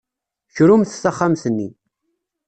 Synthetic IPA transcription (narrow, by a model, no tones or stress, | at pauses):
çɾumθθaχːamθənːi